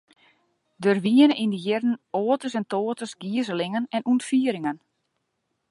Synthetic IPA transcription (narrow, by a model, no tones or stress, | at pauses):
dørʋiənəʔindəjɪrn̩oːtəsɛntoːtəsɡiəzəlɪŋənɛnuntfiəɾɪŋən